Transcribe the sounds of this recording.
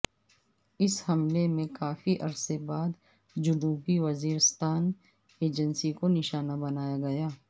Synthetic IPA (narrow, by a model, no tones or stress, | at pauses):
ɪshɐmlemẽkaːfiʔɐɾsebaːd̪ | d͡ʒʊnuːbiʋɐziːɾɪst̪aːn | eːd͡ʒə̃nsikonɪʃaːnabɐnaːjaɡɐjaː